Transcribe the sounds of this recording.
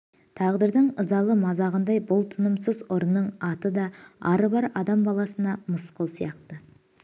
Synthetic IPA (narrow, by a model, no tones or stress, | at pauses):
t̪ʰɑʁd̪əɾd̪əɴəzɑlˠəmɑzɑʁənd̪ɑjbʊlˠt̪ʰənəmsəzʊɾnːəɴɑt̪əd̪ɑɑɾəbɑɾɑd̪ɑmbɑlˠɑsənɑməsqəlˠsijɑqt̪ə